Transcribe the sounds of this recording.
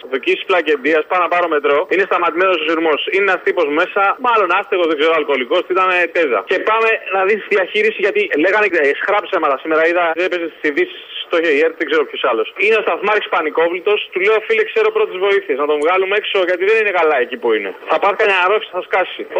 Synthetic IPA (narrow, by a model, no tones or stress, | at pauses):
ðocisi̥splɐce̞nd̪iɐspɐnɐpɐɾome̞t̪ɾo̞ine̞st̪ɐmɐt̪ime̞nososiɾmo̞sineast̪ipo̞zme̞sɐmɐlo̞nɐst̪eɣozðeɡze̞ɾoalko̞liko̞st̪it̪ɐnet̪eðɐ̰ce̞paɐme̞nɐðisiðiɐçiɾisizʝɐt̪ile̞ɣɐnesxɾɐpsemɐt̪ɐsime̞ɾɐiðɐðepesest̪i̥siðisi̥sst̪o̞çeieɾt̪ðeɡze̞ɾopço̞sɐlo̞sinest̪ɐθmɐɾiksi̥pɐniko̞vlit̪o̞st̪ule̞ofilekse̞ɾopɾo̞t̪izvo̞iθieznɐt̪o̞vɣɐlume̞kso̞ʝɐt̪iðe̞nine̞kalɐe̞cipuinḛθɐpɐɾθikɐɲɐɐɾosi̥θɐskɐsi